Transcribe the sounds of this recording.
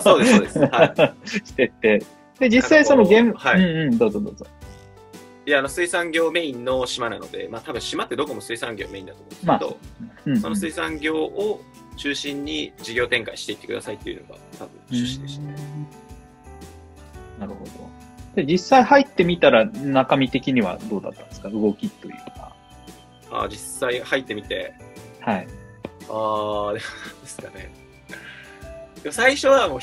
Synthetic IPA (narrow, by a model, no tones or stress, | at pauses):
sod̪eːdesaɕi̥t̪e̞t̪ːe̞ | d̪e̞d͡ʑissːaisonoɡẽaɯ̟̃ːɯ̟̃ɴd̪o̞ːzo̞ːd̪o̞̰ːzo̰ | jaano̞sɨisãŋɡʲo̞ːme̞ĩnːoɕimanano̞̰d̪e̞̰maːt̪abɯ̟̃ɕimat̪ːe̞d̪o̞komo̞sɨisãŋɡʲo̞ːme̞ĩnd̪at̪omo̰̥mad̪o̰ɯ̟̃sonosɨisãŋɡʲo̞ːʔo | t͡ɕɨːɕĩɲ̟ːid͡ʑiɡʲo̞ːt̪ẽ̞ŋkaiɕi̥t̪e̞it̪ːe̞kɯ̟d̪a̰sait̪ːeiɯ̟̰no̞̰ɡa̰t̪abɯ̟̃nt͡ɕɨːɕĩnd̪eɕi̥t̪a | naɾɯ̟ho̞d̪o̞d̪̥ed͡ʑisːaihait̪ːe̞mʲit̪aɾanakamʲit̪e̞kʲiɲ̟iβa̰d̪oːd̪a̰t̪ːa̰nsɨ̥kaɯ̟ɡo̞kʲit̪ːo̞jɯ̟ːka̰ | a̰ːd͡ʑisːaihait̪ːe̞mʲit̪e̞̰haiaːd̪emoad̪esɨ̥kane̞̰ | kemsaiɕo̞βamoː